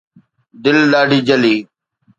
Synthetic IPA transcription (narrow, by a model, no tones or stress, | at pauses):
d̪ɪlɗaːɖʱiːd͡ʒəliː